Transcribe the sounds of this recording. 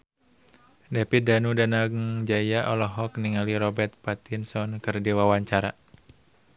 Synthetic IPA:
dɛpidanudanaɡŋd͡ʒajaʔɔlɔɦɔkniŋaliɾɔbɛrt̪̚pat̪insɔnkɨrdiwawaɲt͡ʃaɾa

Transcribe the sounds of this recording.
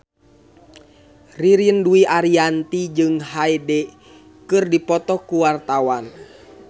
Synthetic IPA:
riɾiənduiʔaɾiant̪id͡ʒɨŋɦaidɛ | kɨrdipɔt̪ɔkuwart̪awan

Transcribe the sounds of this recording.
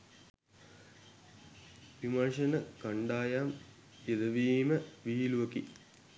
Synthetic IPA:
pimanʂɐnəkaɳɖaːjam | jed̪ɐʋiːməʋiːluʋɐkḭ

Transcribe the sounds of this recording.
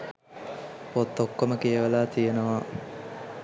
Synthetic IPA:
pot̪ːokːoməkeəʋalaːt̪ijenəʋa

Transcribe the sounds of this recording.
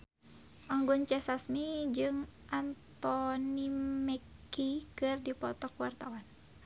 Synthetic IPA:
ʔaŋɡunt͡ʃɛsasmid͡ʒɨŋʔant̪ɔnimɛkikɨrdipɔ̰t̪ɔkuwart̪awan

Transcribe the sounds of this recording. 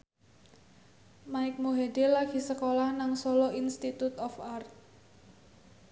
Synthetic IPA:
maɪk̚moɦedelaɡ̥i̤səkolahnaŋsɔlɔinst̪it̪ut̪ɔfart̪̚

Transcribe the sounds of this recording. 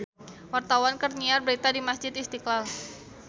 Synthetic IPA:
wart̪awankərɲiarbəɾit̪adimasd͡ʒɪt̪ist̪iklal

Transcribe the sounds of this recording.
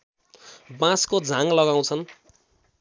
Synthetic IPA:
bãskod͡zʱãŋlʌɡaw̃t͡sʰʌn

